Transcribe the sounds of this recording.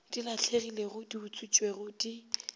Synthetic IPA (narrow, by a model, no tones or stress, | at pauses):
d̥ilaɬʰeɣileɣʊdiʊt͡sʰʼut͡ʃʼweɣʊdi